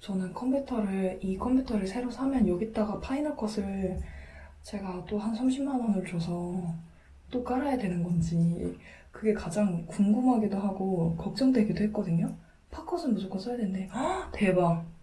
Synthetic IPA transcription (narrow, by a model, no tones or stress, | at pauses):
t͡ɕʌnɯnkʰʌmpʰjutʰʌɾɯɭikʰʌmpʰjutʰʌɾɯɭsʰe̞ɾosʰamjʌnjʌɡit͈aɡapʰainʌkʰʌsʰɯɭɭ | t͡ɕe̞ɡat͈ohansʰamɕʰimːanʌnɯɭt͡ɕosʰʌ | t͈ok͈aɾajadwe̞nɯnɡʌnd͡ʑi | kɯɡe̞kad͡ʑaŋkuŋɡɯmɦaɡedoɦaɡokʌk̚t͡ɕ͈ʌŋdweɡedoɦet̚k͈ʌdɯɲo | pʰakʰʌsʰɯɭmud͡ʑokʌs͈ʰʌjadwende̞te̞ba